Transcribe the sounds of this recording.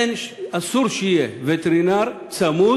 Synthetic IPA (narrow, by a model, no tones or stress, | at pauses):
enɐsuɾʃijeʋet̪eɾinaɾ | t͡sʰɐmu